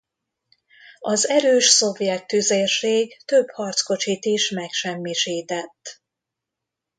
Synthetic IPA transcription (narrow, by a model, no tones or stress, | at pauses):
ɒzɛɾøːʃso̞vjɛt̪ːyzerʃeːɡt̪øbhɒrt̪sko̞t͡ʃit̪iʃmɛkʃɛmːiʃiːt̪ɛt̪ː